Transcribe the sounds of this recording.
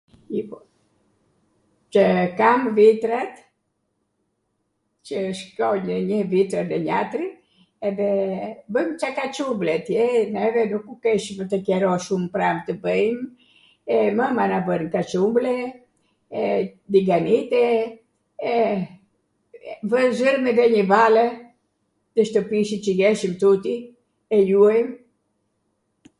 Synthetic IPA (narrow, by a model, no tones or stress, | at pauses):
i | t͡ʃəkamvit̪ɾat̪ | cəʃkɔɲəɲəvit̪ɾənəɲat̪ɾi | ɛðɛbəmt͡ʃakat͡ʃumblɛt̪jɛnɛvɛnukukɛʃvət̪əkɛɾɔʃumpɾamt̪əbəjm | ɛməmanavənkat͡ʃumblɛ | ɛd̪iɡanit̪ɛ | ɛ | vəzəɾmɛðɛɲəvalə | t̪əʃt̪əpiʃit͡ʃəɡɛʃimt̪ut̪i | ɛjuajm